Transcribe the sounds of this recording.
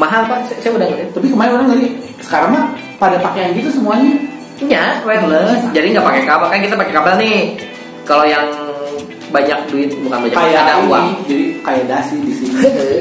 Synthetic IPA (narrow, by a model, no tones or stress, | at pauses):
maɦalpassajaudaŋuɪt̪apikəmalɪnoɾaŋdaɾi | sə̥kaɾaŋma | padapakejankit̪usəmuaɲa | ɲawɛmləd͡ʒadiŋɡapakekabalkankit̪apakekabalni | kalojaŋ | baɲak̚duɪt̪̚bukanbaɲakajaadauwad͡ʒadikajadasidisini